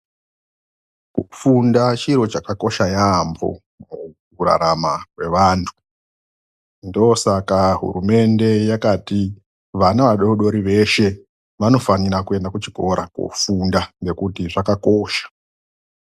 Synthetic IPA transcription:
kufundat͡ʃiɾo̞t͡ʃakako̞ʃajambo̰ | mukuɾa̰ɾamakwe̞ʋaːntʰu̥ | ndosakaɦṵrume̞nde̞jakati | ʋanaʋaɗo̞ɗo̞ɾiʋe̞ʃe̞ | ʋano̞fanirakue̞ndakut͡ʃiko̞ɾako̰fundane̞kutiʐakako̞ːʃḁ

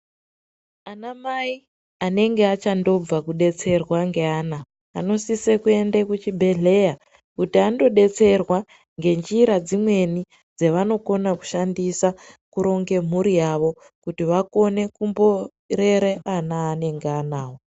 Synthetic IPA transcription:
anamai | ane̞ŋɡeat͡ʃando̞b͡vakuɗe̞t͡se̞rwaŋɡe̞aːna̰ː | no̞sisekue̞ndekut͡ʃibʱe̞ɮe̞ja | kutiando̞ɗe̞t͡se̞rwa | ŋɡe̞nd͡ʒiɾad͡zimwe̞ni | d͡zeʋano̞ko̞naku̥ʃandisakuɾo̞ŋɡe̞m̤uɾijaʋo̞ | kutiʋako̞ne̞kumbo̞ | re̞ɾeanaːne̞ŋɡeanaːwo

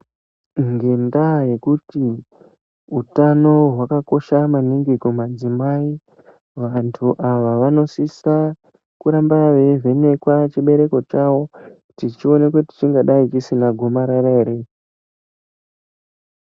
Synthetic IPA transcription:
ŋɡe̞ndaje̞kuti | utano̞ɦwakako̞ʃamaniŋɡikomad͡zimai | ʋantʰuʔaʋaʋano̞sisa | kuɾambaʋe̞vʱe̞ne̞kwat͡ʃiɓe̞ɾe̞ko̞t͡ʃawo̞ | tit͡ʃio̞nekwuti̥t͡ʃiŋɡaɗait͡ʃisinaɡʱo̞maɾaɾaeːɾe̞

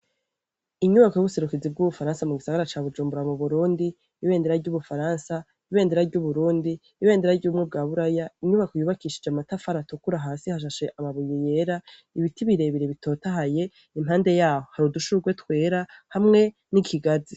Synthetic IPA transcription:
iɲuβakojoβuse̞ɾukizib̚ɡuβufaɾaːnsamuɡisaɡaɾat͡ʃaːβud͡ʒuːmbuɾamuβuɾuːndiː | βe̞ːnde̞ɾaɾɟuβufaɾaːnsa | iβe̞ːnde̞ɾaɾɟuβuɾuːndiːβe̞ːnde̞ɾaɾɟuːmŋe̞b̚ɡaːβuɾajaiɲuβakojuβakiʃi̥d͡ʒamatafaɾatukuɾaɦaːsihaʃ̬aʃe̞ʔamaβujije̞ɾa | iβitiβiɾe̞βiɾeβitʰo̞ːtaɦaje̞ | imhaːnde̞jaːhohaɾuduʃuɡwe̞twe̞ːɾahamŋe̞ | nikʰiɡazi

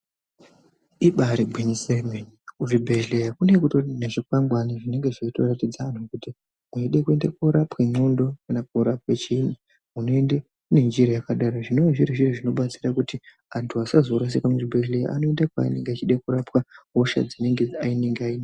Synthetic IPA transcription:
iɓaɾibʱwenisemenikuʐibʱe̞ɮejakunekutoneʐikwaŋɡwaniʐine̞ŋɡe̞ʐeito̞ratid͡zaːnukuti | mweiɗekue̞ndakoɾapwemondo̞kunakoɾapwet͡ʃiːni | munoende | une̞nd͡ʒiɾajakaɗaɾoʐino̞ʋaʐiɾiʐiriʐino̞ɓat͡sirakuti | antʰuasazo̞ɾas̬ikamuʐibʱe̞ɮeja̰a̰no̞e̞ndakwa̰ḭneŋɡeat͡ʃiɗekuɾapwaɦoʃa̰d͡zine̞ŋɡe̞aine̞ŋɡeaina

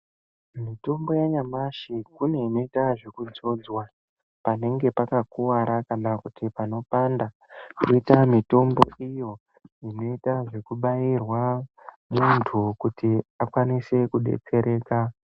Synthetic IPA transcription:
mito̞mbo̞jaɲamaʃikune̞ino̞itaʐe̞kud͡zo̞d͡zwa | pane̞ŋɡe̞pakakuwaɾakanakutipano̞panda | kuitamito̞mbo̰ijo̞ | ino̞itaʐe̞kuɓajirwa | muntʰukutiakwanise̞kuɗe̞̰t͡se̞ɾe̞ːka

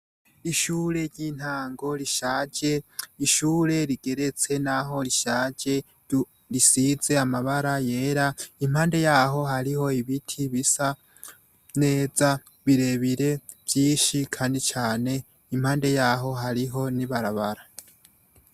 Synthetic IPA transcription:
iʃuːɾe̞ɾɟiːn̥haːŋɡo̞ɾiʃaːɟe̞iʃuːɾe̞ɾiɡ̥e̞ɾe̞t͡se̞naɦo̞ɾiʃaːɟe̞ | ɾisize̞amaβaɾajeːɾaim̥haːnde̞jaːɦo̞ɦaɾiho̞iβitʰiβisa | ne̞ːza | βiɾe̞βiɾe̞ | vjiːʃikʰaːndit͡ʃaːne̞ | im̥aːnde̞jaːɦo̞ɦaɾiɦo̞niβaɾaβaɾa

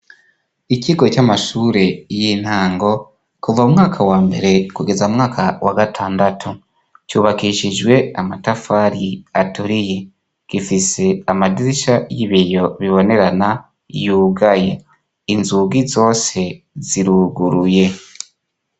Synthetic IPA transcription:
iciɡo̞camaʃuːɾe̞jin̥haːŋɡo̞ | kuvaumŋaːkʰawaːmbe̞ɾe̞kuɡe̞zaumŋaːkʰawʔaɡatʰaːndatʰu | cuːβakiʃid͡ʒɡwe̞amatafaɾiatuɾije | ɡ̥ifise̞amadiɾiʃajiβijo̞βiβo̞ne̞ɾana | juːɡaje | inzuɡizo̞ːse̞ | ziɾuɡuɾuje̞

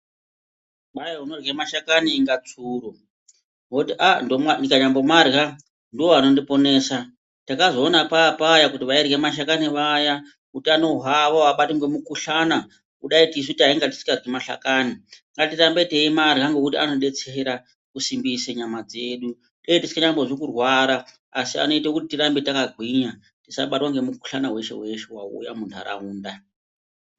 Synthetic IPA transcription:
ɓaeɦunorɣe̞maʃakaniːŋɡat͡suːru | ɦotiʔandomandikaɲambomarɣa | ndiwoano̞ndipo̞ne̞ːsa | takazo̞ːnapapajakutiʋairɣemaʃ̬akaniʋaja | kutiano̞ɦaʋaaɓatiŋɡemukuɬana | kuɗaitis̬utiaiŋɡati̥si̥karɡimaɬa̰kaːniŋɡatirambe̞teimaɾiɦaŋɡokutiano̞ɗe̞t͡seːɾa | kusimbiseɲamad͡ze̞ːɗu | tejetisi̥kaɲamboʐokurwaɾa | asia̰no̞itakutitiɾambetakaɡʱwiɲa | tisa̰ɓatwaŋɡe̞muku̥ɬanawe̞ʃḛwe̞ʃewa̰ṵjamuntʰua̰ɾa̰uːnda

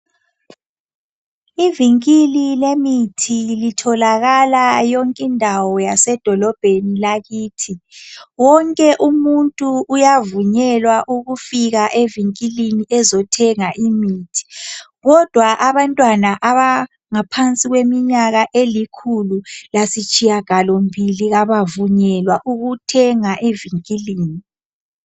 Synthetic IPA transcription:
iviŋkʼililemitʰilitʰɔlaɣalajɔŋkʼindʱawɔjasɛd̥ʱɔlɔb̥ʱenilaɣiːtʰiwɔŋkʼɛʔumuntʼuːjavuɲɛlwaʔuɣufiɣaʔeviŋkʼiliniʔɛzɔtʰɛŋaʔimiːtʰi̥ | ɣɔd̥ʱwaʔaβantʼwanaʔaβa | ŋapʰant͡sʼiɣwemiɲaɣaʔelikʰululasit͡ʃʼijaɡ̥ʱalombʱiliɣaβavuɲɛlwaʔuɣutʰɛŋaʔeviŋkʼiliːni

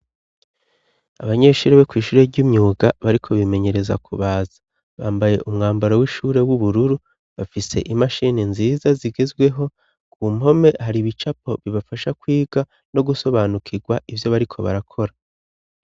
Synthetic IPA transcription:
aβaɲe̞ːʃuɾeβekwiːʃuːɾe̞ɾɟumɲuːɡaβaɾikʰo̞βime̞ɲe̞ɾe̞za̰kʰṵβaːzḁ | βaːmbaje̞̰ʔumŋaːmbaɾowiʃuːɾe̞wuβuɾuɾu | βafise̞̰ʔimaʃininziːzaziɡezɡwe̞ɦo̞ | kuːmo̞me̞haɾiβit͡ʃap̚o̞βiβafaʃakwiːɡa | no̞ɡuso̞βaːnukʰiɡwaʔivjo̞βaɾikʰo̞βa̰ɾakʰo̞ɾa

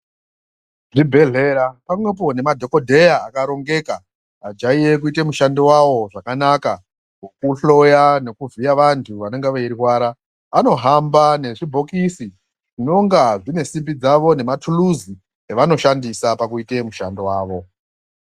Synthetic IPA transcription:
ʐibʱe̞ɮe̞ɾapamwe̞p̬o̞ne̞madʱo̞ko̞dʱe̞jaːkaɾo̞ŋɡe̞kaː | d͡ʒaije̞kuitemuʃandewaʋo̞ʐakanaka | kokuɬo̞jane̞kuvijaʋantʰuʋane̞ŋɡeʋeiriwaːɾaː | no̞ɦambane̞ʐibʱo̞kisi | ʐino̞ŋɡaʐine̞simbid͡zaʋo̞ne̞matʰuluzi | eʋano̞ʃandisapak̬uite̞muʃandewaːʋo̞

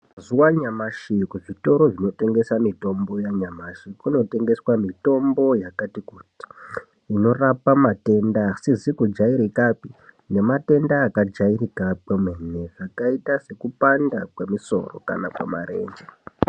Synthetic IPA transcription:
zuwaɲamaʃikuʐito̞ɾo̞ʐino̞te̞ŋɡe̞samito̞mbo̞jaɲamaʃikino̞te̞ŋɡe̞swamito̞mbo̞jakatikuti̥ | ino̞rapamate̞ndasizikud͡ʒaiɾikapi | ne̞mate̞ndaːkad͡ʒairikapemwene̞ʐakaitase̞kupandakwemiso̞̰ro̞̰ka̰nakwa̰ma̰ɾe̞̰ːnd͡ʒe

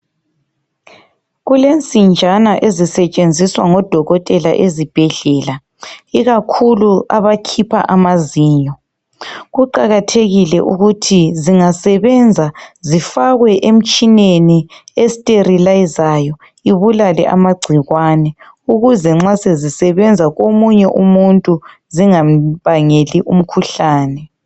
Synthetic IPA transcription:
ɣulent͡sʼind͡ʒʱanaʔezisɛt͡ʃʼend͡zʱiswaŋɔd̥ʱɔɣɔtʼɛla̰ʔezib̥ʱɛɮɛːla | iɣakʰuluaβakʰipʰa̰ʔamaziːɲɔ | ɣuǃaɣatʰeɣilɛ̰ʔuɣutʰiziŋasɛβɛnd͡zʱazifaɣwɛʔem̩t͡ʃʼineniestʼerilajzajɔ | iβulalɛ̰ʔa̰maɡ͡ǀʱiɣwaːnɛ | uɣuzɛŋ͡ǁasezisɛβɛnd͡zʱaɣomuɲɛʔumuntʼu | ziŋam̩βaŋeliʔum̩kʰuɬaːnɛ

